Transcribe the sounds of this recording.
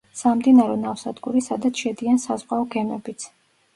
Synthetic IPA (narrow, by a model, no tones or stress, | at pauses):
samd̪inaɾɔnafsad̪ɡuɾisad̪at̪sʰʃɛd̪iansazʁʼaɔɡɛmɛbit̪sʰ